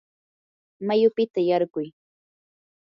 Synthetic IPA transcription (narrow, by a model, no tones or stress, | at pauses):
majʊpɪt̪ajaɾɢʊj